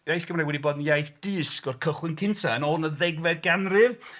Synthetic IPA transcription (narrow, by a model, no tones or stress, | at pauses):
ajsɡ̥əmɾajwɛdiboːdn̩jajθd̥ɨːskɔrkʰəχwɪnkʰɪntʰaənɔnəðɛɡvɛd̚ɡanrɨv